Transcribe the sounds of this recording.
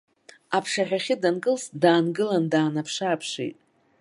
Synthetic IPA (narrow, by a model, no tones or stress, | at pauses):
apʰʂaχʲaχʲɪdanɡɨlsdaːnɡɨlandaːnapʰʂaːpʰʂḛjtʼ